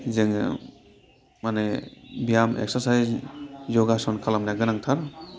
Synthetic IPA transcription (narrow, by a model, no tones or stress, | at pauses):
zɯŋ | manebijamḛk̚sasajszɔɡasɔnkʰalamnaɡɯnaŋtʰaɾ